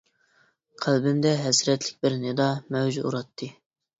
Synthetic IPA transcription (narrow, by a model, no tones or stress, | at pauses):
qʰælbɪmd̪ɛɦɛsɾɛt̪lɪk̚ʲbɪɾnɪd̪ɑmɛwd͡ʒuuɾɑt̪ʰːɨ